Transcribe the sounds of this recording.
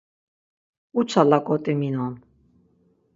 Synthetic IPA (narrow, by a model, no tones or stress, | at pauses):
ut͡sʰalakʼɔt̪ʼɛminɔn